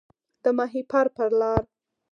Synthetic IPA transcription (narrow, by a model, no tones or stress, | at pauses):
d̪̥əmɑɦipʰaɾpəɾlɑɾ